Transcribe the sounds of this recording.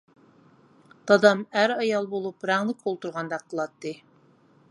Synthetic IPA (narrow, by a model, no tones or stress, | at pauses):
t̪ɑd̪ɑmæɾɑjɑlˠbolˠupɾɑŋlˠɪk̚ʲolˠt̪uɾʁɑnd̪ɑqʰːəlˠɑt̪ːɨ